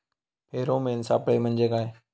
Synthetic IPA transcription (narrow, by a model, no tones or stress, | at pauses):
pʰeːɾõːmẽːɪnsaːpəɽeːmə̃nd͡ʒeːkaːɦeː